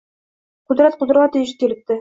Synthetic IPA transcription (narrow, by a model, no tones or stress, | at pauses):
qɵd̪ɾæt̪̚qʊ̆d̪ɾʁɑt̪ɪ̆jɘʃ̬t̪iɾɘ̆t̪ːɘ